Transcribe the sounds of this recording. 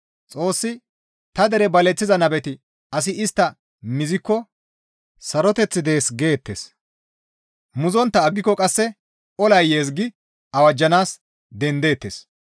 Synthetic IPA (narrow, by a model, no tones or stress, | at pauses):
t͡sʼo̞ːsːɪ | t̪ɐd̪ɛɾɛbɐlɛt͡sːɪzɐnɐbɛt̪ɪ | ɐs̬ɪɪst̪ːɐ | mɪzɪkːɔ | sɐɾɔt̪ɛt͡sːɪd̪e̞ːsɡe̞ːt̪ːḛːs | mʊzɔnt̪ːɐːɡːɪkːɔkʼɐsːɛ | ʔɔlɐjːeːsɡɪ | ɐwɐd͡ʒːɐnaːs | d̪ɛnd̪e̞ːt̪ːeːs